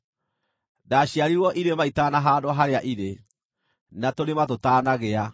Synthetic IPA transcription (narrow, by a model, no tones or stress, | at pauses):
daɕiaɾiɾwɔʔiɾemaitaːnaɦaːdoaɦaɾeaʔiɾe | natoɾematotaːnaɣea